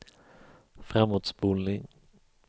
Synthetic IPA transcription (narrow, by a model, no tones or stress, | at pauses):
fɾamːoːt̪sbuːnnɪŋ